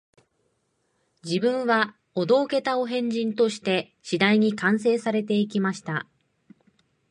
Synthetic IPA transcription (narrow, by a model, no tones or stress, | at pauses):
d͡ʑibɯ̟̃ɰ̃βa | od̪o̞ːke̞t̪ao̞ɦẽ̞ɲ̟d͡ʑĩnt̪o̞ɕi̥t̪e̞ | ɕid̪aiɲ̟ikãɰ̃se̞ːsaɾe̞t̪̬e̞ik̬ʲimaɕi̥t̪a